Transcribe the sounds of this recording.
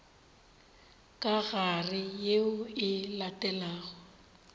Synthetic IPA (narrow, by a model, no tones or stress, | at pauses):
kʼaɣarɪjeʊɪlatʼɛlaːɣɔ